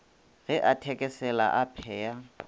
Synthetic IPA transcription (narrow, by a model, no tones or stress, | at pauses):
ɣɛʔatʰɛkʼɛsɛla̰ʔapʰɛːja